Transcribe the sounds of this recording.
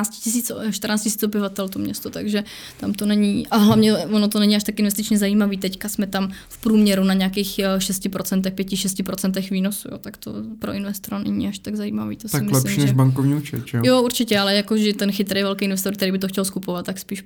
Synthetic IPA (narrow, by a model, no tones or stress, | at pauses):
at͡scɪ̥cɪs̬iːt͡sʃt̪ɾnaːt͡scɪsiːt͡sobɪvat̪ɛlt̪omɲɛst̪ot̪aɡʒɛ | t̪amt̪onɛɲiʔaɦlavɲɛvonot̪onɛɲɪaʃt̪akɪnvɛst̪ɪt͡ʃɲɛzaiːmaviːt̪ɛckasmɛt̪amfpɾuːmɲɛɾunaɲeakiːxʃɛscɪpɾot͡sɛnt̪ɛxpjɛcɪʃɛscɪpɾot͡sɛnt̪̬ɛxviːnosujoːt̪akt̪o̰pɾoʔɪnvɛst̪oɾanɛɲḭaʃt̪aɡzajḭːma̰vḭːt̪ostaɪmɪlɛʃmiːnɛʒbaŋkovɲiut͡ʃɛ̰ʒɛjouɾt͡ʃɪcɛalɛjakoʒɛt̪ɛnxɪt̪ɾɛjvɛlkɛjɪnvɛst̪oɾkt̪ɛɾiːbɪt̪̬oxcɛlskupovat̪t̪ːakspiːʃ